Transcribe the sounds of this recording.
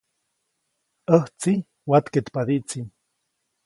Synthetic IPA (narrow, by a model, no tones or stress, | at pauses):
əht͡si | wat̪ket̪pad̪iʔt͡sin